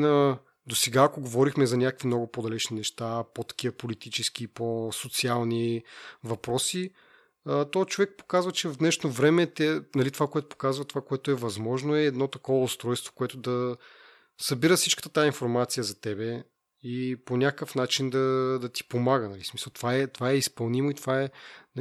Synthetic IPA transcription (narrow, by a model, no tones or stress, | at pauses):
nə | d̪osɛɡaːkoɡovɔɾixmɛzɐnʲakəkvimnɔɡʊpod̪ɐlɛt͡ʃninɛʃt̪apot̪ɐ̥k̟iəpolit̪it͡ʃɛskiposot̪sialˠnivɐpɾɔsi | ət̪ɔt͡ʃovɛk̚po̥kazvɐt͡ʃɛvvd̪nɛʃnovɾɛmɛt̪ɛnɐlit̪ovakoɛt̪ʊpo̥kazvɐt̪ovakoɛt̪ʊɛvɐzmɔʒnoɛːd̪nɔt̪ɐkɔvəʊst̪ɾɔjst̪vo̥koɛt̪ʊd̪ɐ | sɐbiɾəfsit͡ʃkə̥t̪ə̥t̪ainfoɾmat̪sijəzɐt̪ɛbɛ | iponʲakkəfnat͡ʃind̪ɐd̪ɐt̪i̥pomaɡənɐlismisəlˠt̪ovaɛt̪ovaɛispɐlˠnimoit̪ovaɛn